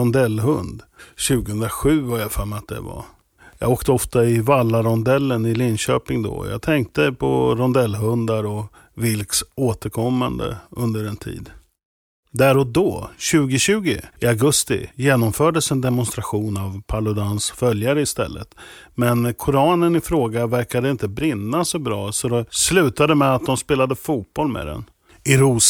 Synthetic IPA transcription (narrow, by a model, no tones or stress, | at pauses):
ɔnd̪ɛlːɦɵnd̪ɕʉ̟ːɡəhɵnd̪ɾaɧʉ̟ːvaɾjafamat̪̚d̪ɛ̰va̰ | jɑ̰ːɡoːkt̪əɔft̪aɪvalːaɾɔnd̪ɛlːənɪlɪnɕøːpɪŋd̪ɔ̰ɔ̰jɑ̰ːɡt̪ʰɛŋk̚t̪əpʰɔɾɔnd̪ɛlːɦɵnd̪aɾɔ | vɪlksoːt̪əɾkʰɔmːand̪ə̰ʔɵnd̪əɾɛnt̪ʰḭːd̪ | d̪æɾɔd̪oːɕʉ̟ːɡɪɕʉ̟ːɡɪɪaɡɵst̪ɪ̰jeːnɔmfœːɖəsɛnd̪ɛmʊnst̪ɾaɧuːnavpʰaɭʊd̪ansfœljaɾəɪst̪ɛ̰lːə̰t̪mɛnkʰʊɾɑːnənɪfɾoːɡavæɾkad̪əɪnt̪əbɾɪnːasɔbɾɑːsɔd̪ɛslʉ̟ːt̪ad̪əmɛat̪̚d̪ɔmspeːlad̪əfuːt̪̚b̥ɔlmɛ̰d̪ɛ̰n | ɪɾuːs